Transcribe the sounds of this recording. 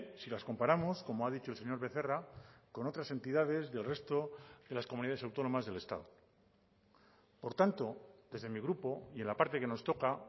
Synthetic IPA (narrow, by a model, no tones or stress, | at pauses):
silasko̞mpaɾamo̞sko̞moaðit͡ʃo̞else̞ɲo̞ɾβe̞θe̞rako̞no̞t̪ɾase̞nt̪iðað̞e̞zðe̞lre̞st̪o̞ðe̞laskomuniðae̞sawt̪o̞no̞mazðe̞le̞st̪a̰ðo | po̞ɾt̪ant̪o̞ðe̞zðe̞miɣɾupo̞ie̞nlapaɾt̪e̞ke̞no̞st̪o̞ka